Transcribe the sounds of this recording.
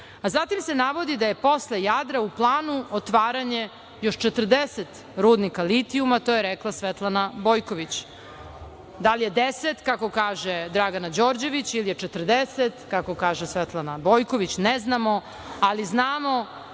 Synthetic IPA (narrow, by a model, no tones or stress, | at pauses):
azat̪imse̞naʋo̞d̪id̪aje̞po̞slejad̪ɾauplˠaːnuot̪ʋaːɾaɲe | joʃt͡ʃet̪r̩d̪eset̪ | ɾuːd̪nikalit̪iumat̪o̞ːjeɾeklˠasʋet̪lˠanabo̞ːjkoʋit͡ɕ | d̪alije̞d̪eset̪kako̞kaːʒed̪ɾaɡanad͡ʑo̞ːɾd͡ʑe̞ʋit͡ɕilijet͡ʃet̪r̩d̪eset̪kako̞kaːʒesʋet̪lˠanabojko̞ʋit͡ɕneznamo̞ | aliznaːmo̞